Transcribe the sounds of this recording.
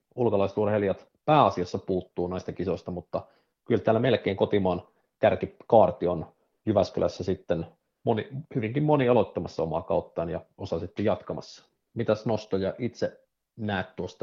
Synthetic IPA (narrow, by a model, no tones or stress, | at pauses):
ulkolɑiset̪urheljɑt̪ | pæːɑsiɑsːɑpuːt̪ːuːnæist̪ɑkisost̪ɑmut̪ːɑ | kylt̪æːlːæmelkeːŋkot̪imɑːn | kærkikɑːrt̪ion | jyʋæskylæ̰sːæsit̪ːen | monihyʋiŋkimmoniɑlot̪ːɑmɑsːɑomɑ̰ːkɑ̰ut̪ːɑːnjɑosɑsit̪ːejɑt̪kɑmɑ̰sːɑ̥ | mit̪æsnost̪ojɑʔit̪se | næːt̪t̪uost̪ɑ